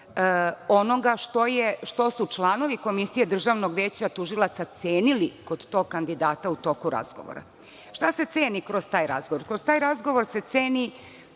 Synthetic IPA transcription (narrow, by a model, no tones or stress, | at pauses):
ono̞ɡaʃt̪o̞jeʃt̪o̞sut͡ʃlˠaːno̞ʋiko̞misije̞d̪r̩ʒaʋno̞ɡʋe̞ːt͡ɕat̪uʒilˠat̪sat̪seːnilikod̪t̪o̞ɡ̚kand̪id̪aːt̪aut̪o̞kuɾa̰zɡo̞̰ʋo̰ɾa̰ | ʃt̪ase̞t̪seːnikɾozt̪aːjɾa̰zɡoʋoɾkɾoz̥t̪aːjɾazɡo̞ʋoɾse̞t̪seːni